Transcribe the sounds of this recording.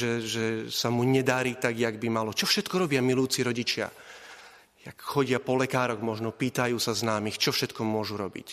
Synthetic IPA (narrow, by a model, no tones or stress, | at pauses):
ʒɛʒɛsamuɲɛd̪aɾiːt̪aɡjaɡbimalɔt͡ʃɔfʃɛt̪kɔɾɔbɪamilujuːt͡siɾɔɟit͡ʃɪa̰ | jakxɔɟɪapɔlɛkaːɾɔɣmɔʒnɔpiːt̪ajuːsaznaːmixt͡ʃɔfʃɛt̪kɔmʊɔʒuɾɔbḭc